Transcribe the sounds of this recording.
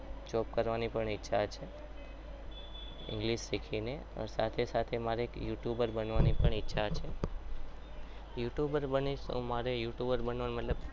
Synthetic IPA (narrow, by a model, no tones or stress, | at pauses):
t͡ʃɔpkəɾʋanipəɳitːʃʰat͡ʃʰe | ɪ̰̃ŋɡliʃːikʰine | ə̰sat̪ʰesat̪ʰemaɾeekjuʈjubəɾbənʋanipəɳitːʃʰat͡ʃʰe | juʈjubəɾbəniõ̰maɾejuʈjubəɾbənʋanmət̪ləb